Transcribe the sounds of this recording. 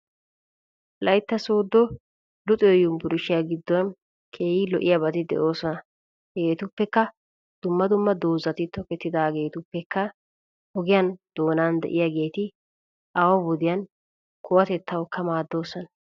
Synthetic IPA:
lɐjt̪ːɐsoːd̪ːɔ | lʊt̪ʼɔjɔjʊmbʊɾɪʃɪjaɡɪd̪ːɔnn | kʰe̞ːjɪlɔʔɪjabɐt̪ɪd̪ɛ̰ʔo̞ːsɔnɐ | heːt̪ʊpːɛkːɐ | d̪̥ʊmːɐd̪ʊmːɐd̪o̞ːzɐt̪ɪt̪ɔkɛt̪ːɪd̪aːɡe̞ːt̪ʊpːɛkːɐ | hɔɡɪjɐnd̪̥o̞ːnaːnd̪ɛ̰ʔɪjaɡe̞ːt̪ɪ | ʔawɐbɔd̪ɪjɐn | kʰʊwɐt̪ɛt̪ʰːɐwkːɐmaːd̪ːo̞ːsɔnɐ

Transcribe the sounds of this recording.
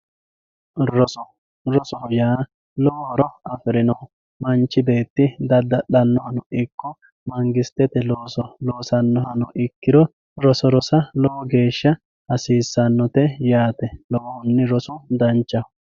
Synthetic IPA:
ɾɔsɔ | ɾɔsɔhɔjaː | lɔwɔhɔɾɔɐfɪɾɪnɐw | mɐnt͡ʃːɪbe̞ːt̪ːɪd̪ɐd̪ːɐɗɐnːɔhɐnʊʔɪkːɔ | mɐŋɡɪst̪ːɛt̪ɛloːsɔloːsɐnːɔhɐnʊʔɪkːɪd̪ɔ | ɾɔsɔɾɔsɐlɔwɔɡe̞ːʃːɐ | ɐsiːsːɐnːɔt̪ɛjaːt̪ɛlɔwɔhʊnːɪɾɔsʊd̪ɐnt͡ʃːɐ

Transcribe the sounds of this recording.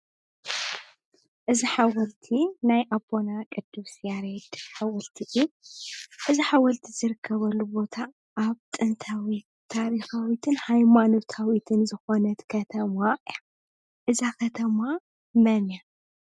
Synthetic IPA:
ʔɨziħawɐlt̪ʰinajʔabo̞nakʼɨd̪ːɨβsjaɾed̪̥ħawɐlt̪ʰiʔɨju | ʔɨziħawɐlt̪ʰizɨɾɨkʰːɐβɐlːubo̞t̪ʰa | ʔːβt̪ʼɨnt̪ʰawi | t̪ʰːaɾixawit̪ʰɨnhajmano̞t̪ʰawit̪ʰɨnzɨxonɐt̪kʰɐt̪ʰɐmaʔʼja | ʔɨzakʰɐt̪ʰɐma | mɐnja

